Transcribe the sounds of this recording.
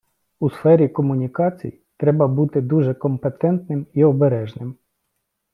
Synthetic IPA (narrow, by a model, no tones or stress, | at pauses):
usfɛɾʲikɔmʊnʲikɑt͡sʲḭj | t̪ɾɛbɐbut̪ɪd̪uʒɛkɔmpet̪ɛnt̪nɪmiɔbeɾɛʒnɪm